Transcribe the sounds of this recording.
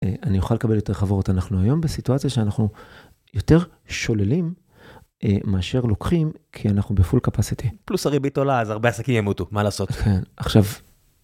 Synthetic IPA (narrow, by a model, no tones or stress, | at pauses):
eʔanijuχale̞kabejo̞te̞ʁχavootanaχnuajo̞mbesituat͡sjaʃeanaχnu | jo̞te̞ʁ | ʃo̞lelim | ʔemaːʃe̞ʁlo̞kχimkʰianaχnubefulkapasitiplusaʁibit̪olaːzaʁbeasakimjemut̪umalaːsotkʰe̞naχʃav